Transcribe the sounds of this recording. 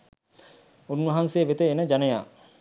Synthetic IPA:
unʋɐɦanseːʋet̪eːnəd͡ʒaneja̰ː

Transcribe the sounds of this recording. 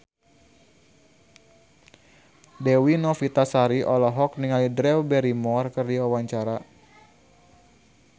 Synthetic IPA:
dɛwinɔfit̪asaɾiʔɔlɔɦɔk̚niŋalidɾɛwbɛɾimɔrkɨrdiawaɲt͡ʃaɾa

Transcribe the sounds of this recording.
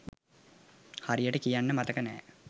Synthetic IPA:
haɾijəʈəkijanːəmat̪əkənɛ̰ː

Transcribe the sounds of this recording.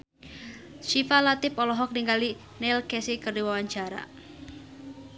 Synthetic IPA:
ʃifalat̪ɪpɔlɔɦɔk̚niŋɡali | nɛlkɛsikərdiwawaɲt͡ʃaɾa̰

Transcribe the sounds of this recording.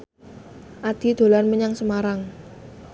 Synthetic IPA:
ʔad̪̥i̤d̪̥o̤lanməɲaŋsəmaɾaŋ

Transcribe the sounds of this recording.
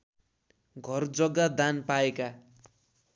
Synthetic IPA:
ɡʱʌrd͡zʌɡad̪anpaeka

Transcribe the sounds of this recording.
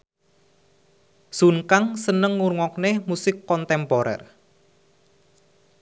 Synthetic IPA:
suŋkaŋsənəŋːuɾŋɔk̚nemusɪkːɔnt̪ɛmpɔɾɛ̰r

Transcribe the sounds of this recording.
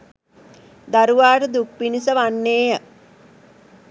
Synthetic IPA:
d̪aɾuʋaːʈəd̪uk̚pinisəʋanːeːjə

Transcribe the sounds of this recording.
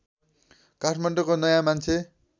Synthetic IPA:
kaʈʰmaɳɖʌkonʌjãmant͡sʰe

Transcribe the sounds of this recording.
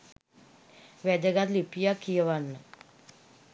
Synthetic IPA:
ʋɛd̪əɡat̪lipijakːijəʋanːə

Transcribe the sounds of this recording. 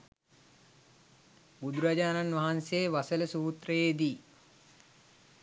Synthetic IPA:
bud̪uɾad͡ʒaːnanʋaɦanseʋasələsuːt̪rəjed̪iː

